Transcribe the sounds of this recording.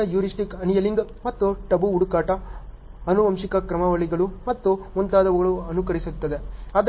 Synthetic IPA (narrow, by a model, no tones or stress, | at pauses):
ɐjuːɾisʈikɐnijɐliŋɡmɐt̪ːuʈɐbuːɽukaːʈɐ | ɐnuʋɐmʂikɐkɾɐmɐʋɐɭiɡɐɭumɐt̪ːuont̪aːd̪ɐʋɐɡɐɭuɐnukɐɾisut̪ːɐd̪e̞aːd̪